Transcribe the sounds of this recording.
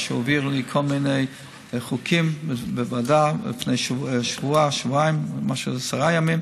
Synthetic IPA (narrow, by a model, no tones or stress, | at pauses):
ʃɔviɾlikʰɔlˠmineɪ | χukʰimbəvadalḭfneɪʃʃvuaʃvuaɪmmaʃuzasaʁajamim